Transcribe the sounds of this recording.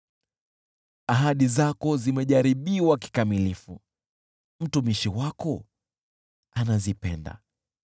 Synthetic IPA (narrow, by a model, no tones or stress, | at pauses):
aɦaɗizakɔzimɛʄaɾiɓiwaki̥kamilifu | m̩tumiʃiwakɔ | anazipɛ̰nda̰